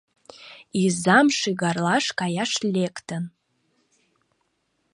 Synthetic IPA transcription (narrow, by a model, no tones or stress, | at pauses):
izamʂiɡarlaʂkajaʂlʲekt̪ʰən